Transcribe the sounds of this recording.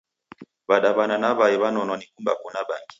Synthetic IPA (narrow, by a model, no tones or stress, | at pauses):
βaɗaβananaβaiβanɔnɔnikumba̰kunaɓaŋɡi̥